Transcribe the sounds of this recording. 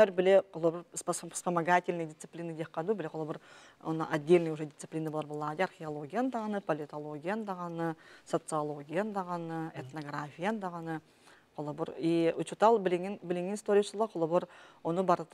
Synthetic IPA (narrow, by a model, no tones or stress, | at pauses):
æɾbɪleqʰʊlˠoboɾspspəmaɡatʲɪlʲnəjd̪ʲɪt̪sɨ̥plʲinːɨd̪ʲeqːɑd̪ubɪleqʰʊlˠoboɾo̰nə̰ʔadʲːe̞lʲnɨjwoʒedʲɪt̪sɨplʲinaboɑɾbolˠːɑd̪earxʲeolˠoɡʲijand̪ɑʁɑnəpolʲit̪o̞lˠoɡʲijand̪ɑʁɑnəso̞t̪sɨalˠo̞ɡʲijand̪ɑʁɑnəet̪no̞ɡrafʲijand̪ɑʁɑnə | qʰʊlˠoboɾiʊt͡ʃut̪ɑlˠbɪlʲeŋʲnbɪlʲeŋɡʲenst̪oɾʲijaʃəlˠɑqʰʊlˠoboɾwonəbɑɾt̪